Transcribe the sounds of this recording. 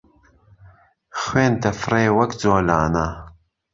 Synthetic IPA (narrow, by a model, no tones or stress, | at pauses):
xweːnt̪ɐfreːwɐkd͡zoːlaːna